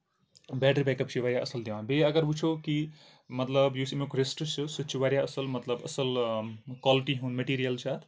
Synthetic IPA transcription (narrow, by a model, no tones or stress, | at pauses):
bɛʈəɾbɛkəp̚t͡ʃʰiʋaːɾjaʔəsəld̪eʋãbeəɡəɾbut͡ʃʰoki | mət̪ləbjusimokɾesʈt͡ʃʰɨsɨt͡ʃʰuʋaɾjaəsəlmət̪ləbɐ̰səlkwaliʈiɦũnmeʈiɾijəlt͡ʃʰat̪ʰ